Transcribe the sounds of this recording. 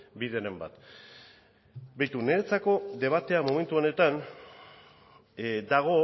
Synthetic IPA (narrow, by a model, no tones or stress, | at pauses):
biðe̞ɾemba̰t̪ | bejt̪une̞ɾet͡sako̞ðe̞β̞at̪e̞amome̞nt̪uone̞t̪an | d̪aɣ̞o̞